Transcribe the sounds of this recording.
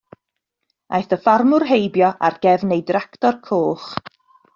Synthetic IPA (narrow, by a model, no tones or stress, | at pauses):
a̰jθəfarmʊrɦejbjɔʔarɡ̥ɛvnejdraktɔrkʰoːχ